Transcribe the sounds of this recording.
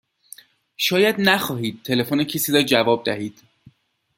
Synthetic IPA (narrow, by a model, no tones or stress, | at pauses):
ʃɒːjæd̪næxɒːɦiːd̪̥̚t̪ʰe̞le̞fonecʰesiːɾɒːd͡ʒævɒːb̚d̪æhiːd̪̥